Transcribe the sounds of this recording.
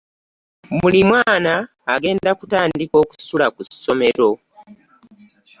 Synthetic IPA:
mulimwaːnaː | ɡe̞ːndakutaːndiko̞ːku̥sulakuso̞me̞ɾo̞

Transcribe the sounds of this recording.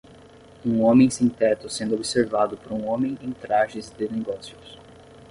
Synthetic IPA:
ũõmẽj̃sĩnt̪ɛt̪ʊsẽnd̪ʊobiseɾvad̪ʊpoɾũõmẽj̃ẽj̃t̪ɾaʒɪzd̪ɪneɡɔsjʊs

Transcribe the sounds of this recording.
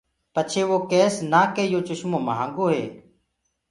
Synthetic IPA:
pət͡ʃʰeːʋoːkeːsnaːkeːjoːt͡ʃʊʃmõːməɦã̰ːŋɡoːɦḛː

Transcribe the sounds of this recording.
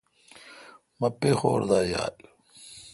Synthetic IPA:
mɐpexo̰ːɾd̪aːja̰ːl

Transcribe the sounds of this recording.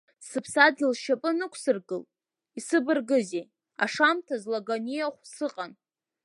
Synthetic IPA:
sɨpʰsad̚ɡʲɪlʃapʼɨnɨkʷʰsɨrɡɨ̰l | isɨbɨrɡɨzej | aʂamtʰazlaɡonijaχʷsɨqʼan

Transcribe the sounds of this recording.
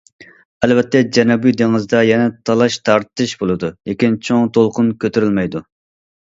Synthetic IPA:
ɛlvɛt̪ʰːɛd͡ʒɛnɛbujd̪eŋɨzd̪ɑjɛnɛt̪ʰɑlˠɑʃt̪ʰɑɾt̪ɨʃbolˠɨd̪ulʔekʲint͡ʃʰoŋt̪ʰolˠqʰʊnkʲøt̪yɾylmɛjd̪u

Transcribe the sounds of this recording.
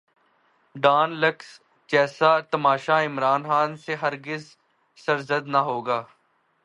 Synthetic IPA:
ɖaːnləks | d͡ʒɛːsaːt̪əmaːʃaɪmɾaːnxaːnseɦəɾɡɪz | səɾzəd̪naɦoːɡaː

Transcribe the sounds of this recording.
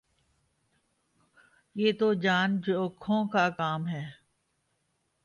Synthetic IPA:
jeːt̪od͡ʒaːnd͡ʒoːkʰõːkakaːmɦɛː

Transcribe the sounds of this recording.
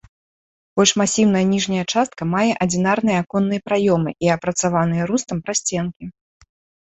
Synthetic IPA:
b̥ɔlʲʂmasʲiwnɐjɐnʲiʐnʲɐjɐt͡ʂast̪̚kɐmajɛʔɐd͡zʲin̪arnɨjɛakɔnːɨjɐpɾajɔmɨʔiɐpɾɐt̪savan̪ɨjɛɾust̪ɐmpɾasʲt͡sʲɛnkʲi

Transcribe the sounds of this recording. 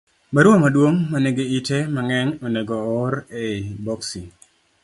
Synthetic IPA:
baɾɔmadwoŋmaneɡeitemaŋɛɲɔnɛɡɔːɾebɔksi

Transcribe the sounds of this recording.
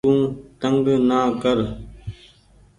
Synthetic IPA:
ũːt̪əŋɡnaːkəɾ

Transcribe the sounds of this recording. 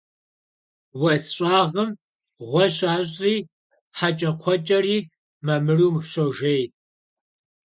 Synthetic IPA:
wɐsɕʼaːʁəm | ʁʷɔɕʼaːɕʼriː | ħat͡ʃʼɐqʷʰɔt͡ʃʼɐriː | mamɨruːmɕoʒej

